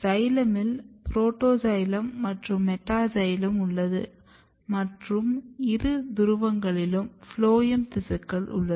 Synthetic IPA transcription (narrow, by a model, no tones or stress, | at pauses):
sɐjlɐmɪlpɾoːʈːoːsɐjlɐmːɐʈrɯmːɛʈːaːsɐjlɐmʊɭːɐðɯ̰ | mɐʈrɯmɪɾɯd̪ʊɾʊʋɐŋɡɐɭɪlɯmfloːjɐmt̪ɪsɐkːɐɭʊ̰ɭːɐð